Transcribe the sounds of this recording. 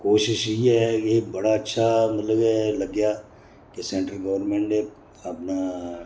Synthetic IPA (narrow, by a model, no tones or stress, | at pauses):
koːʃɪʃɦiɦɛebɐɽaɐtːʃʰamɐt̪ləbɛlɐɡja | kesẽːɳʈɾəlɡɐʋəɾnmẽɳʈe | ɐpna